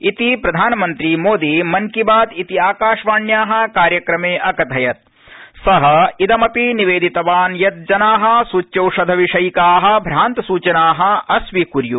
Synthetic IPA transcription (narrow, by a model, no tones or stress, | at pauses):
it̪ipɾɐd̪ʱaːnɐmɐnt̪ɾimoːd̪imɐŋkibaːd̪it̪iaːkaːʂʋaːɳjaːɦɐ̆kaːɾjɐkɾɐmeːʔɐkɐt̪ɐjɐt̪̚ | sɐɦɐid̪ɐmɐpiniʋeːd̪ʱit̪ɐʋaːnjɐt̪̚d͡ʒɐnaːɦɐ̆suːt͡ʃjɐwʂɐd̪ʱɐʋiʂɐjkaːɦɐ̆bʱɾaːnt̪ɐsuːt͡ʃɐnaːɦɐ̆ɐsʋikuɾju